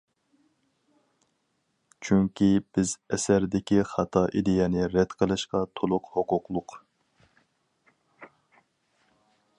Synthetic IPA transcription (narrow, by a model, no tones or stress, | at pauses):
t͡ʃʰyŋkʲib̥ɪzɛsæɾd̪ɪkʲiχɑt̪ʰɑʔid̪ɪjɛnɪɾɛd̪̥qʰəlˠɨʃqɑt̪ʰolˠʊqhoqʊqlˠʊq